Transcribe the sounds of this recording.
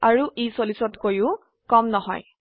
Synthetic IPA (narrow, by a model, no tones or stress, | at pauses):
aɹuʔisolisɔtkojʊ̃ | kɔmnɔɦɔ̰j